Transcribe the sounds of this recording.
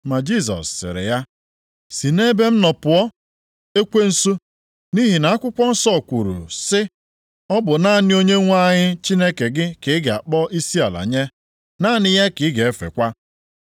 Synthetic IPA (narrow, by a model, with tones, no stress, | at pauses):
ma˨d͡ʒi˦˨s̬ɔ̰˨sːɪ̰˨ɾɪ̰˨ja˦ | si˨ne˦be˦m̩˦nɔ˨pʊ˨ɔ˦ | e˦kʷe˦n̩˦su˦ | ni˦ɦi˨na˨a˦kʷʊ˦kʷɔ˦n̩˦sɔ˦˨kʷu˨ɾṵ˨sɪ˦ | ɔ˦bʊ˨na˦˨nɪ˦o˦ɲe˦ŋʷa˦ɲɪ˦t͡ʃi˦ne˦ke˨ɡɪ˦kɪ˨˦ɡe˨a̰˨k͡pɔ˦i˦si˦a˨la̰˨ɲe˦ | na˦nɪ˦ja˦kɪ˨˦ɡe˨e˦fḛ˨kʷa˦